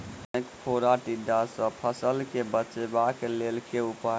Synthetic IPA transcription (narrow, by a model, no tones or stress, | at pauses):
jkpʰoɾaʈiɖasə̃pʰəsəlkebət͡ʃebaklelkeupa